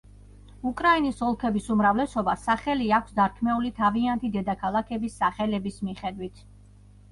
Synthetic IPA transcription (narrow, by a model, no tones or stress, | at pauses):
ukʼɾainisɔlˠkʰɛbisumɾavlɛsɔbasaχɛliakʷʰsd̪aɾkʰmɛulit̪ʰaviant̪ʰid̪ɛd̪akʰalˠakʰɛbisːaχɛlɛbismiχɛd̪wit̪ʰ